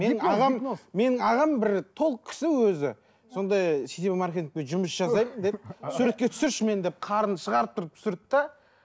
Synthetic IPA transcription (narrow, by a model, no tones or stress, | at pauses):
menɪŋɑʁɑmmːe̞nɪŋɑʁɑmbɪɾt̪ʰo̞lˠəq̚kʲʰɪ̥sɪwɵzɪ̰ | so̞nd̪ɑjset̪ebɪmɑɾkʲe̞t̪ʲiŋk̚peʒʊməsʒ̥ɑzɑjmənd̪esuɾe̞t̪̚kʲe̞t̪ʰʏ̥sɪɾʃme̞nd̪e̞p̚qʰɑɾənʃəʁɑɾəp̚t̪ʰʊɾəp̚t̪ʰʏ̥sʏɾd̪ɪp̪t̪ɑ